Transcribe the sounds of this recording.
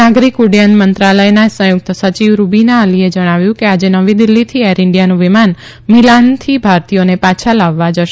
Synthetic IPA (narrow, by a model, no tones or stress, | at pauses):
aɡɾikuɽjanmənt̪ɾaləjnasə̃jʊk̚t̪əsət͡ʃiʋɾubinaəlied͡ʒəɽ̃aʋjũkead͡ʒenəʋĩd̪ilːit̪ʰieɾɪɳɖijanũʋiman | milant̪ʰibʱaɾt̪ijonepat͡ʃʰalaʋːad͡ʒəʃe